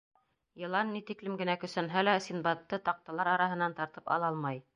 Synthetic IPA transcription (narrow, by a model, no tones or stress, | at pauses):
jɤ̆lˠɑnːit̪iklɘmɡɘ̆nækɵ̆sænɦælæsʲinbɑt̪ːɤt̪ɑq̚t̪ɑlˠɑɾɑɾɑɦɤ̆nɑnt̪ɑɾt̪ɤpɑ̰lˠɑlˠmɑj